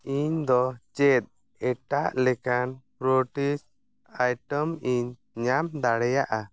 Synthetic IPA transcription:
iɲd̪ɔt͡ʃɛt̪̚ˀ | ɛʈaʔlɛkanpɾoʈis | ajʈəmiɲ | ɲamd̪aɽɛjaʔa

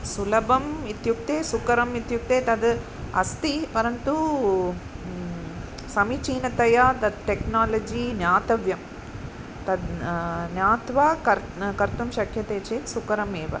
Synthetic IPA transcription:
sulɐbɐmit̪juk̚t̪eːsukɐɾɐmit̪juk̚t̪eːt̪ɐd̪ | ɐ̰st̪ipɐɾɐnt̪u | sɐmit͡ʃiːnɐt̪ɐjɐd̪ɐd̪ʈeknaːlɐd͡ʒinjaːt̪ɐʋjɐm | t̪ɐd̪njaːt̪ʋaːkɐɾ | kɐɾt̪umʃɐkʰjɐt̪eːt͡ʃeːt̪sukɐɾɐmeːʋɐ̰

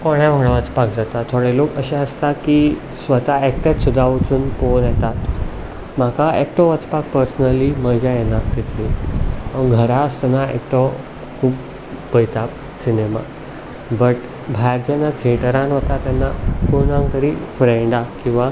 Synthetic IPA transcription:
koɽjaʋəŋɡɭəʋət͡spak̚d͡zat̪at̪ʰːoɽelokəɕẽəst̪aki | sʋət̪aɛk̚ʈ̪at̪sud̪ʱːaʋət͡suːnponjɛt̪at̪ | m̤akaek̚ʈɔʋət͡spak̚pəɾsnəliməd͡ʑajenat̪et̪liãɡʱəɾast̪ɛnaḛkʈɔ | kʰuːp | bəjt̪a | sinema̰ | bəʈ | bʱajɾd͡ʑɛnːat̪ʰeʈəɾãnət̪at̪janːakunãŋɡt̪əɾiːfɾeɳɖakĩw̃ʋa

